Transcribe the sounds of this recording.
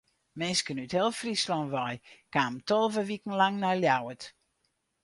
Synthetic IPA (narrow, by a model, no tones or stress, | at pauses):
mɪnskənythɪlˠfrislɔnʋɔjkaːmtɔlˠvəʋikən̩laŋnaljawət